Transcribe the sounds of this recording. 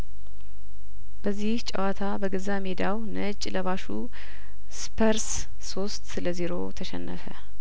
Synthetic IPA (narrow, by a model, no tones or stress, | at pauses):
bəzːiht͡ʃʼə̰wat̪ʰabəɡəzamed̪awnət͡ʃʼləβaʃu | spʰəɾs | so̞st̪sɨləziɾo̞t̪ʰəʃɛ̰nːəfə